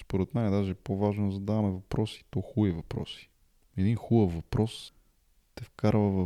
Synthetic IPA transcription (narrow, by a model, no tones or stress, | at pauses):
spoɾɛt̪mɛɐd̪aʒɛpovaʒnod̪zɐd̪avɐmɛvɐpɾɔsi̥t̪ɔxuivɐpɾɔ̰si̥ | ɛd̪inxubəfvɐpɾɔs | t̪ɛfkaɾvəvɐ